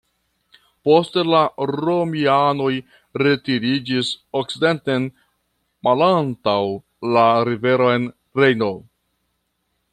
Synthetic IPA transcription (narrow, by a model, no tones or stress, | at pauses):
po̞stelaɾo̞miano̞j | ɾe̞tiɾid͡ʒisok̚side̞nten | malantaw | laɾive̞ɾo̞e̞n | ɾejno̞